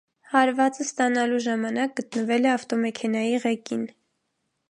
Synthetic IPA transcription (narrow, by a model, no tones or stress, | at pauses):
hɑɾvɑt͡səst̪ɑnɑluʒɑmɑnɑk̚ɡət̪nəvɛlɛɑft̪ɔmɛkʰɛnɑjiʁɛkin